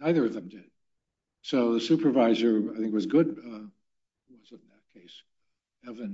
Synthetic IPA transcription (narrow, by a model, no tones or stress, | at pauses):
naɪðə˞ʌvðɨ̃mdɪd̥̚ | soʊðəsʉpə˞vaɪzə˞aɪθɪ̃ŋk̚wʌzɡʊd̚ | wʌzɨɾn̩ðɨt̚kʰeɪs | ɛvɨ̃n